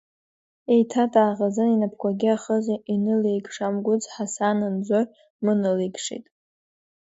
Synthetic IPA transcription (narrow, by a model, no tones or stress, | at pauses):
e̞jtʰatʼaːʁazɨninapʰkʷaɡʲiaχəzoʔinɨlejkʂamɡʷʊt͡sħasanɨnd͡zʷor | mɨnɨlekʂḭtʼ